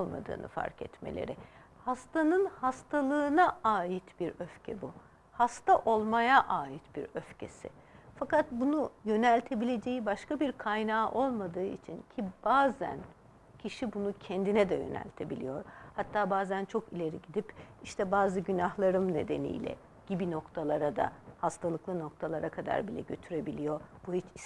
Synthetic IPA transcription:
olˠma̰d̪ɯ̰ːnʔɯ̰fa̰ɾkʰɛ̰t̪me̞̰lʲḛɾɪ | hast̪ʰanɯnhast̪ʰalˠɯːnaaːjit̪biɾøfcʰɛbu | hast̪aʔo̞lˠmajaʔaːjit̪biɾøfcʰe̞̰sɪ̰ | fakat̪̚bunujø̞nɛlʲt̪ʰe̞bilʲe̞d͡ʒe̞jibaʃkabiɾkʰajnaːʔo̞lˠmad̪ɯːḭt͡ʃʰincʰib̥aːzæ̰n | cʰiʃibunucʰɛnd̪inɛd̪ɛ̰jø̰nɛ̰lʲt̪ʰe̞bilʲḭjo̞ɾhat̪ʰːaːbaːzænt͡ʃʰo̞kilʲe̞ɾiɟid̪ipiʃt̪ʰɛbaːzɯɟynahlˠaɾɯmne̞̰d̪e̞̰nḭjlʲɛ̰ | ɟ̥ibino̞kt̪ʰalˠaɾad̪a̰hast̪ʰalˠɯklˠɯno̞k̚t̪ʰalˠaɾakʰad̪a̰ɾbilʲɛ̰ɟø̞t̪ʰyɾe̞bilʲijo̞b̥uhit͡ʃi

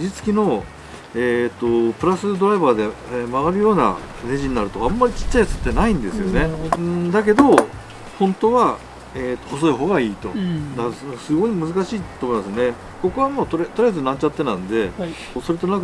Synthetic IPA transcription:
ʑit͡sɨ̥kʲino̞ | et̪ːo̞pɯ̟ɾasɨd̪o̞ɾaibaːd̪e̞maβaɾɯ̟jo̞ːna̰ | ne̞ʑiɲ̟inaɾɯ̟t̪o̞amːaɾʲit͡ɕi̥t͡ɕːaisɨ̥t̪ːe̞naĩnd̪e̞sɨjo̞ne̞ɯ̃d̪ak̬e̞d̪o̞ | hõ̞nt̪o̞βa | eːt̪ːoos̬o̞eɦo̞ːɡaiːt̪o̞d̪ansɨɡo̞imɯ̟zɨkaɕiːt̪oːmo̞imasɨone̞ | ko̞kɯ̟βamoːt̪oɾt̪o̞ɾijazɨnãɲt͡ɕat̪ːe̞nãɯ̃nd̪e̞ | so̞ɾe̞t̪o̞nãŋk

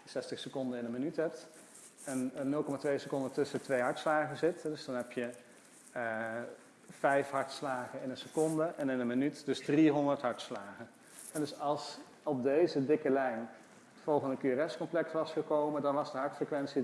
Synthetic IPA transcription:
sɛstəχsəkɔndənɪnənmənytɦɛp̚t | ɛnnːɵlˠkɔmatʋejsəkɔndətɵsətʋejɦɑɹtslaːχəzɪtɛdɵzdɑnɦɛpjə | fɛjfɦɑɹtslaːχənɪnənsəkɔndəʔɛnɪnənmənytdɵzdriɦɔndəɹtɦɑɹtslaːχən | ɛdɵsɑlˠs | ɔb̚dejzədɪkəlɛjn | ətfɔlˠχəndəkyərɛskɔmplɛktʋɑsχəkowmədɑnʋɑzdəɦɑɹtfrəkʋɛnsi

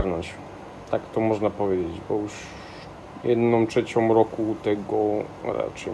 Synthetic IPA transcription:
ɾnɔɲt͡ɕ | t̪akt̪ɔmɔʐnapɔvʲjed͡ʑed͡ʑbɔuʂ | jɛd̪nɔmtʂɛt͡ɕɔmɾɔkut̪ɛɡɔ | ɾa̰t͡ʂɘ

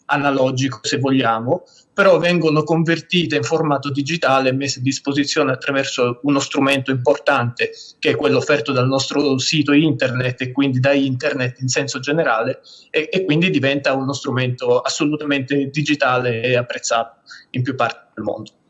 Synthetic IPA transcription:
analɔd͡ʒikosevːoʎːaːmo | peɾɔvːɛŋɡonokoɱvert̪iːt̪eiɱformaːt̪od̪id͡ʒit̪aːlemːesːead̪ːispozit̪sːjoːneat̪ːɾavɛrsounost̪ɾument̪oimport̪ant̪ekeɛkːwelːoːfːɛrt̪od̪alnɔst̪ɾosiːt̪oint̪ernet̪ːekːwind̪id̪aint̪ernet̪ːinsɛnsod͡ʒeneɾaːleːkːwind̪id̪ivɛnt̪aunost̪ɾument̪oasːolut̪ament̪ed̪id͡ʒit̪aːleːapːɾet̪sːaːt̪o̥impjupːart̪e̥d̪elmo̰nd̪o

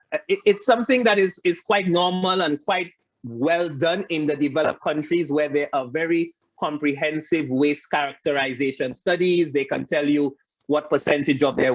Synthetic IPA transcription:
ɪtsʌ̃mθɪ̃ŋðæɾɪzɪz̥kʰwaɪtⁿnɔɹmələ̃nkʰwaɪt̚ | wɛldʌ̃nɪ̃nðədɨvɛlə̰p̚kʰʌ̃nt͡ʃɹ̥izwɛ˞ðɛʔavɛɹi | kʰɔ̃mpɹiɦɛ̃nsɪvweskæɹək̚təɹaɪzeʃə̃nstʌdizðeɪkə̰̃ntʰɛlˠju | wɔt̚pəsɛ̃ntɪd͡ʒɔvðɛ

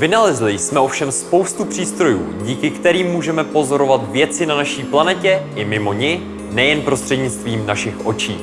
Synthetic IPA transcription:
vɪnalɛzlɪjsmɛʔo̞fʃɛmspo̞wst̪upr̝̥iːst̪ɾo̞jṵːɟiːkɪkt̪ɛɾiːmːuːʒɛmɛpo̞zo̞ɾo̞vat̪vjɛt͡sɪnanaʃiːplanɛcɛʔɪmɪmo̞ɲɪ | nɛjɛnpɾo̞st̪r̥ɛdɲɪt͡st̪viːmnaʃɪxʔo̞t͡ʃḭː

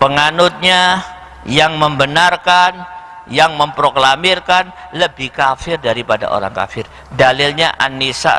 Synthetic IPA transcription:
pəŋanʊt̪̚ɲa | jaŋməmbənarkan | jaŋməmpɾoklamɪrkanləbɪhkafɪrdaɾipada̰ʔo̰ɾa̰ŋka̰fɪr | dalɪlɲa̰ʔa̰nːisa̰

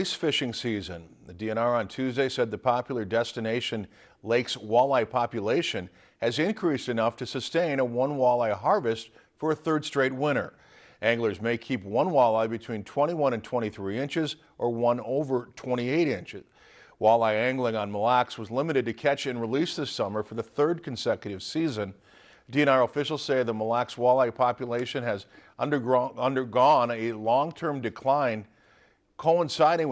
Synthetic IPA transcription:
isfɪʃɪ̃ŋsizɨ̰̃nðɨdiɛñɑɹə̃ntʰʉzdeɪsɛd̪̚ðɨpʰɑpjl̩ˠə˞dɛstɨneɪʃɨ̃n | leɪkswɑlˠaɪpʰɑpjɨleɪʃɨ̃n | ɨzɨ̃nkʰɹ̥istɨnʌftʰɨsɨstẽɪ̃ñəwʌ̃nwɑlˠaɪɦɑɹvɨst | fə˞ɨθɜ˞d̥stɹ̥eɪt̚wɪ̃ɾ̃ə̰˞ | ʔæ̃ŋɡlˠə˞zmeɪkʰip̚wʌ̃nwɑlˠaɪbɨtʰw̥ĩntʰw̥ɛ̃ɾ̃iwʌ̃ɾ̃ɨ̃ntʰw̥ɛ̃ɾ̃iθɹiɪ̃nt͡ʃɨz | ʔə˞wʌ̃noʊvə˞tʰw̥ɛ̃ɾ̃ieɪɾɪ̃nt͡ʃɨ̰z̥ | walˠaɪæ̃ŋɡl̩ˠɪ̃ŋə̃nməlækswʌzlɪ̃mɨɾɨd̚tɨkʰɛt͡ʃɨ̃nɹilisðɪsʌmə˞fə˞ðɨθɜ˞d̚kʰn̩sɛkjɨɾɨv̥sizɨ̃n | d̥iɨ̃ñɑɹəfɪʃl̩ˠz̥seɪðət̚məlækswalˠaɪpʰɑpjɨleɪʃɨ̃nɨzʌ̃də˞ʌ̃ndə˞ɡɔ̃nɨlɔ̃ŋtʰɜ̃˞mdɨkʰl̥ãɪ̃n | kʰoʊə̃nsaɪɾɪ̃ŋ

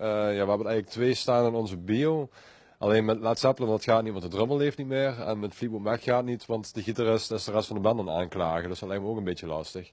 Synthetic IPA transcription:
əjaːʋəɦɛbənɛjɣələk̚tʋeːstaːnɪnɔnzəbio | ʔɑ̰leːnmɛtlaːtsɛpələndɑtxaːtnitmɔntədrøməlˠleːftnitmɪːrɛ̰nmɛtflip̚bopmɛkxaːtnitʋɑntdəɣitarɪstɪsdərɛstfɑndəbɛndəna̰ːnklaːɣədɵsd̥ɑtlɛjktməoːkənbɪtjəlɑ̰stəx

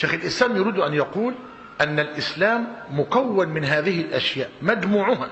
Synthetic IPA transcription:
ʃeːxɪlʔɪslaːmjʊɾiːd̪ʔanjɑquːl | ʔanːalʔɪslaːmːʊkawːanmɪnɦaːðɪhɪlʔaʃjaːʔmad͡ʒmuːʕʊɦa

